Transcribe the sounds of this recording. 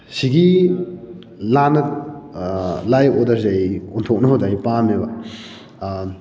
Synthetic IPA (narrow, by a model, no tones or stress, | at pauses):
siɡi | lanɐ | lajodɐɾzajontʰok̚nɐodajpamebɐ